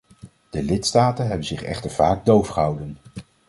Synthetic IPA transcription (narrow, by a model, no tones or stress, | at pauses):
d̥əlɪtstaːtənɦɛbənzɪχɛ̰χtəɹv̥aːɡ̚dowfχəɦɑwdən